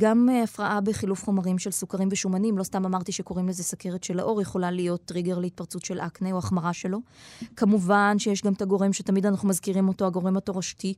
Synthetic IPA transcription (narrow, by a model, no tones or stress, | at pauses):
ɡamafʁaʔabe̞χilufχo̞maʁimʃe̞lsukaʁimveʃumanimlo̞st̪amamaʁt̪iʃe̞ko̞ʁimlezesake̞ʁet̪ʃe̞la̰ʔo̞ʁjeχo̞lalijo̞t̪ːʁiɡeʁleit̚paʁt͡sutʃe̞lʔakneoaχmaʁaʃe̞lo̞kamuvanʃejeʃɡamt̪aɡo̞ʁemʃetamid̪anaχnumazkiʁimo̞to̞aɡo̞ʁemato̞ʁaʃti